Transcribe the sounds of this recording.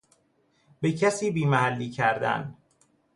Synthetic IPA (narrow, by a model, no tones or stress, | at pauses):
becʰæsiːbiːmæhælːiːcʰæɾd̪æ̰n